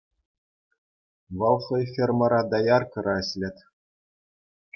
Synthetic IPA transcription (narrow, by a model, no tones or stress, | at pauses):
ʋɤ̆lˠχɤ̆jfʲermɤ̆ɾɑd̪ɑjɑrkɤ̆ɾɑɘɕʲlʲɘ̆t̪ʲ